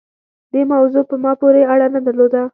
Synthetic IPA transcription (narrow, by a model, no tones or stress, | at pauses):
d̪̥emawzopəmɑpoɾeaɽanad̪əɾlod̪a